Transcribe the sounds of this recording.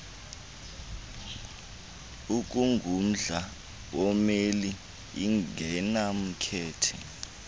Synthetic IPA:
uk̬ʼuŋɡʱum̩ɮa | wɔmeli | iɛnam̩kʰɛːtʰɛ

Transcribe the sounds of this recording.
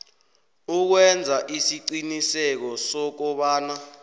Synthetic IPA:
uk̬wɛnd͡zʱaʔisiǀinisɛk̬ɔsɔk̬ɔɓaːna

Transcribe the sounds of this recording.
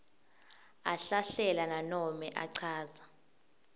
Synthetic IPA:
aɬaɬɛlananɔmɛʔaǀʰaːza

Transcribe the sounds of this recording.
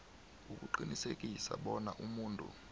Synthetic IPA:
uk̬ʼuǃinisek̬ʼisa̰ɓɔnaʔumuːntʼṵ

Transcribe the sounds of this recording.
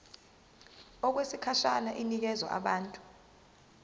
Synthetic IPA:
ɔk̬wesikʰaʃanaʔinik̬ɛzwa̰ʔa̰ɓaːntʼu̥

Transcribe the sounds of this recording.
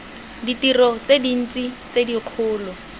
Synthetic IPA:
ditirɔt͡sedin̩t͡si | t͡sediq͡χʰʊːlɔ

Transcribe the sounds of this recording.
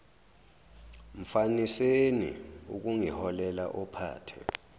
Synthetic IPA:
m̩fanisenḭṵk̬uŋihɔlɛlaʔɔpʰa̰ːtʰɛ̰

